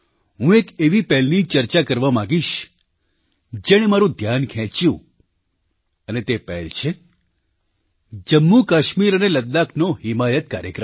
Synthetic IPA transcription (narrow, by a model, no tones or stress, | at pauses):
ɦũekeʋipɛɦlnit͡ʃəɾt͡ʃakəɾʋamãɡiʃ | d͡ʒeɽ̃emaɾũd̪ʱjankʰɛ̃t͡ʃjũ | ənet̪epɛ̰ɦlt͡ʃʰe | d͡ʒəmːukaʃmiɾəneləd̪ːakʰnoɦɪmajət̪̚kaɾjə̰kɾəm